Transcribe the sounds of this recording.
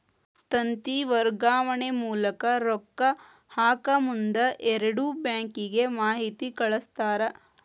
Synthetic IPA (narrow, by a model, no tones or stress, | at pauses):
t̪ɐnt̪iʋɐɾɡaːʋɐɳemuːlɐkɐɾɔkːɐ | haːkɐmund̪ɐʔɛɾɐɽubjaːŋkiɡemaːɦit̪ikɐɭɐst̪aːɾɐ